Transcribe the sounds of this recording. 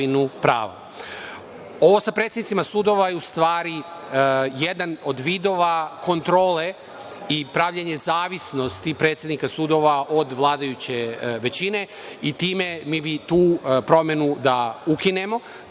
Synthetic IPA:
inupɾa̰ːʋa̰ | o̞ʋo̞sapɾet̪sʲjenit̪imasuːd̪o̞ʋajeust̪ʋaːɾi | jed̪ano̞d̪ʋiːd̪o̞ʋako̞nt̪ɾo̞ːle̞ | ipɾaʋʎeɲe̞zaːʋisno̞st̪ipɾet̪sʲjed̪nikasuːd̪o̞ʋaʔo̞d̪ʋlˠaːd̪ajut͡ɕe̞ʋe̞t͡ɕine̞ | it̪iːme̞miːbit̪uːpɾo̞mjenud̪aukine̞mo̞

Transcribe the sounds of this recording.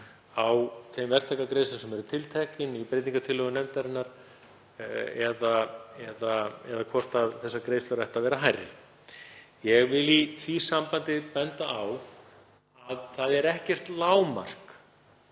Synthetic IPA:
awθejmvɛr̥t̪ʰajkakɾejslʏsɛmɛɾʏɾt̪ʰɪlt̪ʰɛcɪnipɾejt̪niŋkat̪ʰɪlœɣʏnɛmt̪aɾɪnaɾ̥ | ɛðaɛðaɛðakʰvɔr̥t̪aðθɛsːakɾeːjsœɾɛjht̪avɛːɾaɦajrːɪ̰ | jɛɣvɪliθʰisampant̪ɪpɛnt̪aaw | aðθaðɛɾɛhcɛr̥t̪laːwma̰r̥k

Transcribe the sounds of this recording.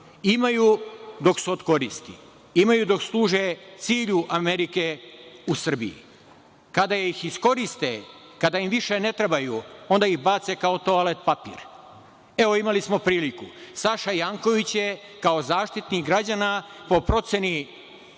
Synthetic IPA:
imajud̪o̞ksuod̪ko̞ɾist̪ḭ | imajud̪o̞kslˠuːʒet̪siːʎuʔameɾikeusr̩bḭjḭ | kad̪ajeixisko̞ɾist̪e | kad̪aimʋiʃe̞ne̞t̪ɾebajuo̞nd̪aixbaːt̪se̞kao̞t̪o̞alet̪̚papḭːɾ | e̞ʋo̞imalismo̞pɾiːlikusaʃajaŋko̞ʋit͡ɕje | kaozaːʃt̪it̪niɡɾad͡ʑanapo̞pɾo̞t̪se̞ni

